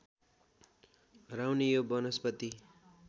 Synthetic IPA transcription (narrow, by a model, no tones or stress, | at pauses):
rawnijobʌnʌspʌt̪i